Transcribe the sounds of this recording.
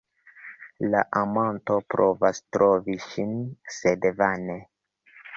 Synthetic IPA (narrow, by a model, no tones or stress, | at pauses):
laʔamonto̞pɾo̞vastɾoviʃinsedvane